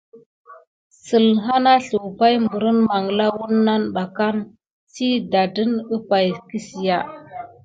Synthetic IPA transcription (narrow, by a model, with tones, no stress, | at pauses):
sə˨lɦa˦na˦ɬu˨wpa˦jmbu˨ɾə˦nma˨ŋ˨la˦wu˦nːa˦nɓa˨ka˦n | si˦da˨də˦nə˦pa˨jki˦si˨ja˦